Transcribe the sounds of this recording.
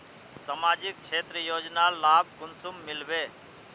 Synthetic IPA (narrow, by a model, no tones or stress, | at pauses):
samad͡ʒikt͡ʃʰet̪ɾəjod͡ʒnalabʱkunsumːilbe